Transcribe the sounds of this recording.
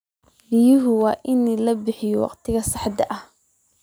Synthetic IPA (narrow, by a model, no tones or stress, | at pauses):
ɪjʊɦʊwɑːʔɪnilɐbɪħɪjɔwɑ̰qt̪ʰɪɣɐsɑħd̪ɐʔɐh